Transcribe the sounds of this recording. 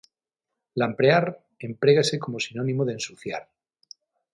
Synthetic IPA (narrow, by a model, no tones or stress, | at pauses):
lampɾeaɾ | e̞mpɾeɣese̞ko̞mosinonĩmoðensuθja̰ɾ